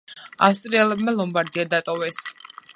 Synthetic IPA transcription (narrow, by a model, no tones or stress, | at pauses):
a̰fst̪ʼɾiɛlɛbmalˠɔmbaɾd̪iad̪at̪ʼɔvɛs